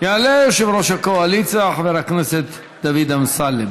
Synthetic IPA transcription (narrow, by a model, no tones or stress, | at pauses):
jaːlejoʃevɾoʃakoalit͡saaχveɾakneset̪ | d̪avid̪amsalem